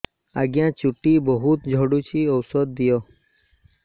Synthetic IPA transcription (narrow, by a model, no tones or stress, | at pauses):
a̰ɡjãt͡ʃuʈibɔɦut̪d͡ʒʱɔɽut͡ʃʰiɔwsɔd̪̚ːijɔ